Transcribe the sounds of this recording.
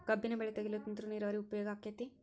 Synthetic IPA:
kɐbːinɐbɛɭɛt̪ɐɡilɐt̪ːint̪ɾuniːɾɐʋɐɾiupɐjɔːɡaːkːjɐt̪i

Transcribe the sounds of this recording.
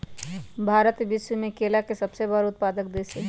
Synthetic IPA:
bʱaːɾət̪bɪswəmẽkeːlakesɐbsebəɾʊt̪̚paːd̪ək̚d̪eːse

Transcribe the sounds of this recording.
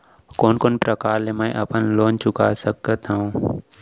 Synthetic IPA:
koːnkoːnpɾəkaːɾlemə̃ĩʔɐpənloːnt͡ʃʊka̰səkət̪aũː

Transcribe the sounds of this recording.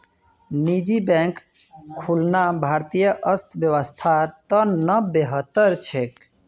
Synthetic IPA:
nid͡ʒibɛ̃ŋk | kʰːulnabʱaɾt̪ijəʔəst̪ʰbjəwəst̪ʰat̪ənəbeɦət̪ːəɾt͡ʃʰek

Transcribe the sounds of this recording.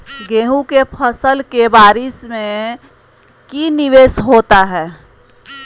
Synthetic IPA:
ɡeːɦũkepʰəsəlkebaːɾɪsmẽ | kinɪʋeːsɦoːt̪aɦɛː

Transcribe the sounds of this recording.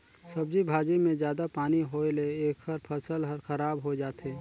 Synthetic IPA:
sɐb̚d͡ʒibʱaːd͡ʒimẽzjaːd̪apaːniɦoeleeːkʰhəɾpʰɐsəlɦəɾxəɾaːbɦod͡ʒaːt̪eː

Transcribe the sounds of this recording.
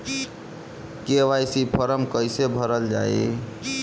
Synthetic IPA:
keʋajsipʰəɾəmkəjsebʱəɾəld͡ʒa̰je

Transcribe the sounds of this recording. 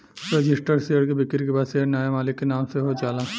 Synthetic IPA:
ɾed͡ʒɪsʈəɾsejəɽkebɪkɪɾkebaːd̪seːɽnaːjemaːlɪkːenaːmseɦod͡ʒaːlaː

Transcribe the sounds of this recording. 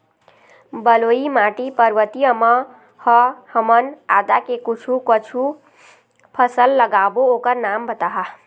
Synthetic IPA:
bəloimaʈipəɾʋət̪ijəmʌ | hʌhəmənad̪akekut͡ʃʰukət͡ʃʰu | pʰəsəlːəɡabookəɾnambət̪aɦa

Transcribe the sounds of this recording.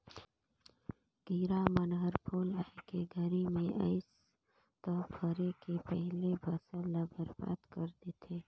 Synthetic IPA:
ɡ̥iːɾamɐnɦəɾpʰoːlaːkeɡʱɐɾimẽʔɐ̰ɪs | t̪ɔːpʰəɾekepɛɦlebʱɐsəlːabəɾba̰ːt̪kɐɾd̪et̪ʰeː

